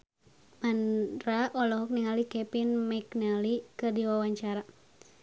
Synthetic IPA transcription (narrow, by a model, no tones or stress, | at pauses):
manraɔlɔɦɔk̚niŋalikɛpinmɛknalikɨrdiwawaɲt͡ʃaɾa